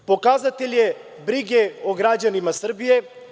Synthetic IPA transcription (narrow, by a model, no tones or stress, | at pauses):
pokaːzat̪elje | bɾiɡeoɡɾaːd͡ʒanimasəɾbije